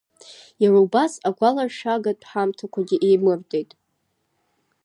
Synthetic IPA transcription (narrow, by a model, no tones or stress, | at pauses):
jaraubasaɡʷalaʂaɡatʰʼħamtʰakʷʰaɡʲiʔejmɨrdʼe̞jtʼ